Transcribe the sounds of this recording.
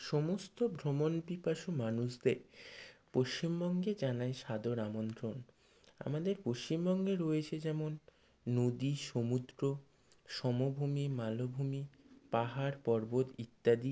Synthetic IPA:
ʃɔmost̪obʱɾomonbipaʃomanuʃd̪eɾpoʃt͡ɕimbɔŋɡed͡ʑanaeʃad̪oɾamont̪ɾon | a̰mad̪eɾpoʃt͡ɕimbɔŋɡeɾoet͡ɕʰed͡ʑɛmonː | od̪iʃomud̪ɾo | ʃɔmobʱumimalobʱumipaɦaɾpɔɾbod̪it̪ːad̪i

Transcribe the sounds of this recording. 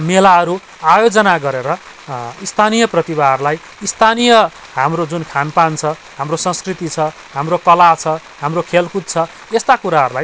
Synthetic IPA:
melaʌɾu | ajod͡zʌnaɡʌɾeɾʌ | ist̪ʰanijʌprʌt̪iβaɦʌrulaj | ist̪ʰanijʌ | ɦamrod͡zunkʰanpant͡sʰʌ | ɦamrosʌ̃nskrit̪it͡sʰʌ | ɦamrokʌlat͡sʰʌ | ɦamrokʰelkut̪̚t͡sʰʌ | est̪akuɾaɦʌɾulaj

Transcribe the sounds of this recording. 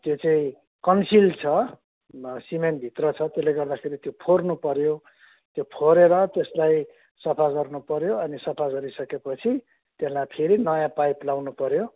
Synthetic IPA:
t̪jot͡saĩ | kʌnsilt͡sʰʌ | simenbʱit̪rʌt͡sʰʌt̪eslːeɡʌrd̪akʰeɾit̪jopʰornupʌɾjo | t̪jopʰoɾeɾʌt̪eslaj | sʌpʰaɡʌrnupʌɾjoʌnisʌpʰaɡʌɾisʌkepʌt͡sʰi | t̪eslajpʰeɾinʌjãpajplawnupʌɾjo

